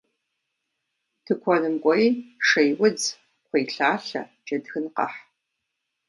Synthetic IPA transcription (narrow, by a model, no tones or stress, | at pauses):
tʰɨkʷʰɔnɨmkʷʼɔjʂejwʊd͡z | qʷʰejɬaːɬɐ̰t͡ʃʼɐdxɨnqɐ̰ħ